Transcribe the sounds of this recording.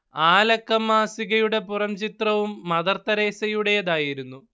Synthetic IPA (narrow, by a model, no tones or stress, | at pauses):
aːlɐkːɐmːaːsiɣɐjuɽe̞purɐmt͡ɕit̪rɐʋumːɐðɐrt̪ːɐɾe̞ːsɐjuɽe̞jɐðaːjiɾunːu